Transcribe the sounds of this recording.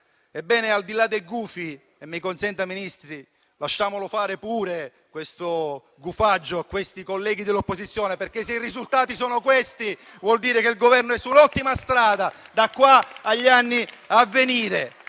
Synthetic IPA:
ebːɛːneald̪ilad̪ːejɡuːfi | emːikonsɛnt̪aminist̪ɾi | laʃːaːmolofaːɾepuːɾe | kwest̪o | ɡufad͡ʒːoakːwest̪ikolːɛːɡid̪elːopːozit̪sːjɔːneperk̟esːeirizult̪aːt̪isɔːnokwest̪i | vwɔld̪iːɾekeilɡovɛrnoɛsːunɔt̪ːimast̪ɾaːd̪ad̪akːwaːʎːanːiavːeniːɾe

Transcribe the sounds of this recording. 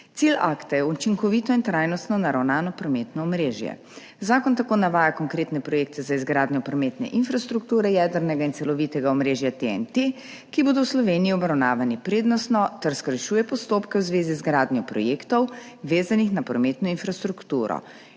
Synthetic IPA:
t̪sila̰kt̪ajɛut͡ʃiŋkɔʋiːt̪ɔint̪ɾaːjnɔst̪nɔnaɾawnaːnɔpɾɔmet̪nɔɔmɾeːʒjɛ̰ | zaːkɔnt̪akoːnaʋaːjakɔŋkɾeːt̪nɛpɾɔjeːkt̪ɛzaizɡɾaːd̪njɔpɾɔmeːt̪nɛ̰ʔinfɾast̪ɾukt̪uːɾɛjɛd̪əɾnɛɡaint̪sɛlɔʋit̪ɛɡaɔmɾeːʒjat̪eɛ̰nt̪e | kiboːd̪ɔwslɔʋeːniiɔbɾawnaːʋanipɾeːd̪nɔst̪nɔt̪ɛɾskəɾʃuːjɛpɔst̪oːpkɛwzʋeːzizɡɾaːd̪njɔpɾɔ̰jeːkt̪ɔwʋeːzanixnapɾɔmeːt̪nɔinfɾast̪ɾukt̪uːɾɔ̰

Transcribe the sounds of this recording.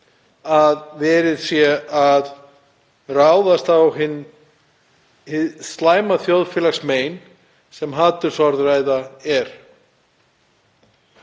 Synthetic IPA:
aðvɛːɾɪðsjɛað | raːwðast̪awhɪnː | hɪðst̪laːjmaθjowðfɪːlaksmeːjn | sɛmɦaːt̪ʏɾ̥sɔɾðraːjðaɛɾ̥

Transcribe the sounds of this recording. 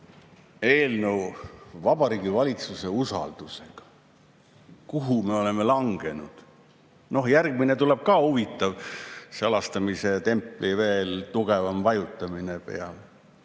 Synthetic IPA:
e̞ːlnevɑb̥ɑɾiːɡivɑlʲit̪suse̞usɑ̰ld̪̥use̞ɡ̥ɑ̥ | kuɦume̞o̞le̞me̞lɑŋɡ̥e̞nud̪̥ | no̞hjærɡ̥mine̞t̪ule̞b̥̚kɑːhuvit̪ːˑɑvseɑlɑst̪ɑmise̞t̪e̞mpːˑlive̞ːlt̪uɡ̥e̞vɑmvɑjut̪ːˑɑmine̞pe̞̰ɑl

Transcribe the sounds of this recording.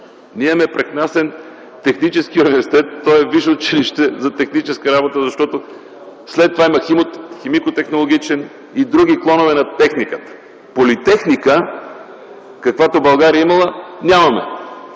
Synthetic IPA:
niɛmɛpɾɛknasɛn | t̪ɛxnit͡ʃɛskiunivɛɾsi̥t̪ɛt̪ːɔjɛviʃot̪̚t͡ʃiliʃt̪ɛzɐt̪ɛxnit͡ʃɛskəɾabot̪əzɐʃt̪ɔt̪o | slɛt̪ːovaimɐximot̪ximikot̪ɛxnolˠoɡ̟ʲit͡ʃɛn | id̪ɾuɡiklˠɔnovɛnɐt̪ɛxnikə̥t̪ə̥ | polit̪ɛxnikə | kɐkvat̪obɐlˠɡaɾiəimɐlˠənʲamɐmɛ

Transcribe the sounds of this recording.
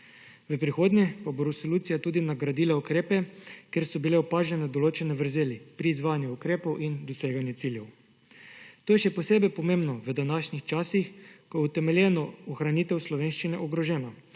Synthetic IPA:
ʋəpɾixoːd̪njɛpaboɾɛsoluːt̪sijat̪uːd̪inaɡɾad̪ilaukɾeːpɛkeɾsɔbileɔpaːʒɛnɛd̪ɔloːt͡ʃɛnɛʋəɾzeːlipɾiːzʋaːnjuukɾeːpɔwʔind̪ɔseːɡanjɛt̪siljɛw | t̪oːjɛʃɛpɔseːbɛjpɔmeːmbnɔʋəd̪anaʃnixt͡ʃaːsixkɔjɛut̪ɛmɛljɛːnɔɔxɾaniːt̪ɛwslɔʋeːnʃt͡ʃinɛʔɔɡɾɔʒɛːna

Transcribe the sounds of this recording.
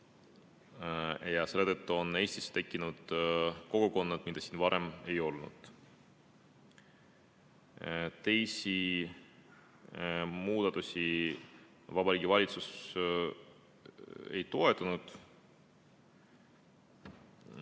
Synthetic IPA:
jɑse̞le̞t̪ət̪ːuo̞ne̞ːsʲt̪i̥st̪e̞kˑːinud̪̥ko̞ɡ̥oko̞nːɑd̪̥mid̪̥ɑsiːnvɑɾe̞me̞jo̞lnṵd̪̥ | t̪e̞jsi | muːd̪̥ɑt̪usʲi | vɑbɑɾiːɡʲivɑlʲit̪sus | e̞̰jt̪o̞e̞t̪ˑːɑnud̪̥

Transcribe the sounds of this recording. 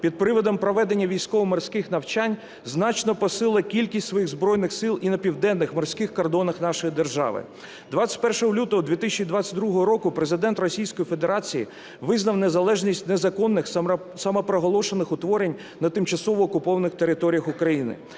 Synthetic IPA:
pʲid̪̚pɾɪʋɔd̪ɔmpɾɔʋɛd̪enʲːɐʋʲijsʲkɔʋɔmɐrsʲkɪxnɐwt͡ʃanʲ | znɑt͡ʃnɔpɔsɪlˠɐkʲilʲkʲisʲtʲsʋɔjixzbɾɔjnɪxsɪlˠinɐpʲiwd̪ɛnːɪxmɔrsʲkɪxkɔrd̪ɔnɐxn̪ɑʃɔjid̪erʒɑ̰ʋɪ̰ | d̪ʋɑt͡sʲɐ̥tʲpɛrʃɔɦɔlʲut̪ɔɦɔd̪ʲʋʲit̪isʲt͡ʃʲid̪ʋɑt͡sʲɐ̥t̚ʲd̪ɾuɦɔɦɔɾɔkʊpɾezɪd̪ɛnt̪rɔsʲijsʲkɔjife̞d̪eɾɑt͡sʲiji | ʋɪznɐwne̞zɐlˠɛʒnʲisʲtʲnezɐkɔnːɪx | sɐmɐpɾɔɦɔlˠɔʃonɪxʊt̪ʋɔɾenʲ | nɐt̪ɪmt͡ʃɐsɔʋɔːkʊpɔʋɐnɪxt̪eɾɪt̪ɔɾʲijɐxʊkɾɐjinɪ̰

